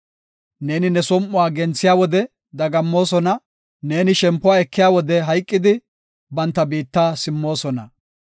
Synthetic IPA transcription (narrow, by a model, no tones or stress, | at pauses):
ne̞ːnɪnɛsɔmːʊwaːɡɛnt͡sːɪjaːwɔd̪ɛ | d̪ɐɡɐmːo̞ːsɔnɐ | ne̞ːnɪʃɛmpːʊwaːɛkːɪjaːwɔd̪ɛɦɐjkʼːɪd̪ɪ | bɐnt̪ːɐbiːt̪ːaːsɪmːo̞ːsɔnɐ̰